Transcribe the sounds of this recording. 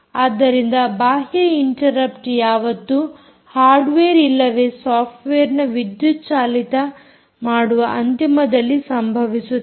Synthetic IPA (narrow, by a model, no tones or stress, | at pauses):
aːd̪ːɐɾind̪ɐbaːɦjɐiɳʈɐɾɐpʈjaːʋɐt̪ːu | haːɾɖʋeːɾilːɐʋe̞saːpʰʈʋeːɾnɐʋid̪jut̪t͡ʃaːlit̪ɐ | maːɽuʋɐʔɐnt̪imɐd̪ɐlːisɐmbʱɐʋisu